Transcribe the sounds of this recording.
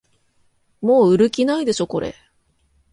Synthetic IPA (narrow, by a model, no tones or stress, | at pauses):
mo̞ːɯ̟ɾɯ̟kʲinaid̪e̞ɕo̞ko̞ɾʔe̞̰